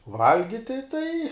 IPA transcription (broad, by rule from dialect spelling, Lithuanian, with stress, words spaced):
ˈʋɐlʲɡʲɪtʲɪ tɐɪ